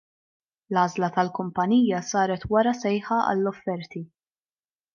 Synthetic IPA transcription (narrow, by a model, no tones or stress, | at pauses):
lɐːzlɐt̪ɐlkʊmpɐniːjɐsɐːɾɛt̪wɐɾɐsɛjħɐɐ̰lːɔfːɛɾt̪i